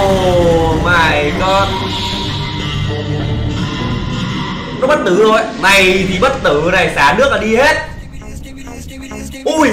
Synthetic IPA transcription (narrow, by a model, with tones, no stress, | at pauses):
o˩˨˩maː˨˩jkɔ˧n˨˩ | ɔ˨˦ɓə˦˥t̚t̪ɨ˨˦zo˨˩jna˨˩jt̪ʰi˨˩ɓə˦˥t̚t̪ɨː˧˨˩na˨˩jsaː˨˦nɨ˦˥ək̚laː˨˩ɗi˧he˦˥t̚ | ʔu˧˩j